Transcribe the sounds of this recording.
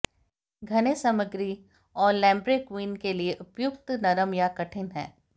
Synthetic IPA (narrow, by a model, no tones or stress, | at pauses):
ɡʱɐnesɐməɡɾi | ɔːɾlɛ̃ːmbɾekwiːnkelieʔʊpjʊkt̪nɐɾəmjakɐʈʰɪnɦɛ̰̃ː